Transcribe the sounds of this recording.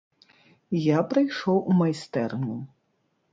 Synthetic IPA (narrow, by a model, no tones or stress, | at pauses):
japɾɨjʂɔwʔumajst̪ɛrnʲu